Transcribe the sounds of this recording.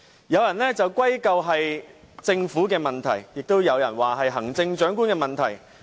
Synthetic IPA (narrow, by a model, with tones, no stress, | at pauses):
jɐ˨˧wjɐ˨˩nlɛː˥t͡sɐ˨wkʷwɐ˥jkɐ˧wɦɐ˨j | t͡sɪ˧ŋfuː˨˥kɛː˧mɐ˨nt̪ʰɐ˨˩jjɪ˨k̚t̪o˥wjɐ˨˧wjɐ˨˩nwaː˨ɦɐ˨jɦɐ˨˩ŋt͡sɪ˧ŋt͡ʃœː˨˥ŋk̬u˥nkɛː˧mɐ˨nt̪ʰɐ˨˩j